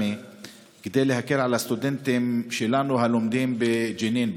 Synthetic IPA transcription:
i | ɡɪd̪eːlehakːɪɾʕalast̪ʊd̪ɪnt̪ɪmʃɪlaːnuɦalʊmd̪iːmbɪd͡ʒiniːnb

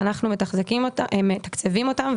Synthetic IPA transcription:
anaχnume̞taχzekimtmet̪akt͡sevimo̞t̪am

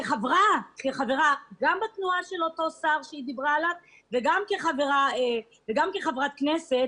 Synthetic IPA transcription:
eχavʁakeχaveʁaɡambat̪nuaʃe̞lo̞to̞saʁʃeid̪ibʁaːlav | veɡamke̞χaveʁae | veɡamkeχavʁat̪knese̞t̪

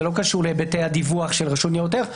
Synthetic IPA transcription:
lo̞kaʃuʁlebetejad̪ivuaχʃelʁaʃunjejot̬eʁ

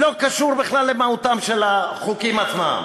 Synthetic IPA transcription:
lo̞kaʃuʁbiχlalːemahut̪amʃelaχukimat͡sma̰m

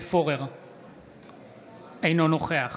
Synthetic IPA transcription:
foʁeʁ | ejno̞noχeaχ

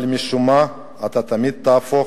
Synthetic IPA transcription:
lmiʃuma | at̪at̪amid̪̚t̪aːfo

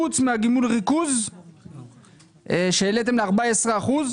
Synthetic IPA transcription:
ut͡smeaɡimulʁikuz | ʃeːlet̪̬emleaʁbaesʁeaχuz

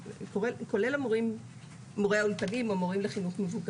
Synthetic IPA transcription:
koeko̞lelamoʁim | moʁehaulpanimoamoʁimleχinuχmevuɡ

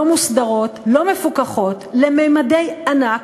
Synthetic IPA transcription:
omusd̪aʁo̞tlo̞me̞fukaχo̞tlemejmade̞janak

